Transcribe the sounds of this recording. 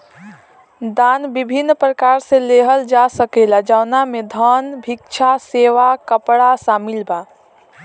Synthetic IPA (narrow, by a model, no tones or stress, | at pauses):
d̪anbibʱinːpɾəkaɾsẽleɦəld͡ʒasəkelad͡ʒaʊnamed̪ʱənbʱikt͡ʃʰaseʋakəpɽasamilba